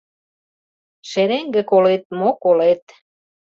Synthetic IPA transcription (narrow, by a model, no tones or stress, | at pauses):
ʃeɾeŋɡĕkolet̪̚mokolet̪